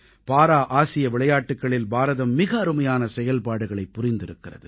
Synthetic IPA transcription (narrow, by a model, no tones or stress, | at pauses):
paːɾaːʔaːsɪjɐʋɪɭɐjaːʈːɯkːɐɭɪlbaːɾɐðɐmːɪɣɐːɾɯmɐjaːnɐsɛjɐlpaːɽɯɣɐɭɐɪpːʊrɪnd̪ɪɾɯkːɪrɐ̰ðɯ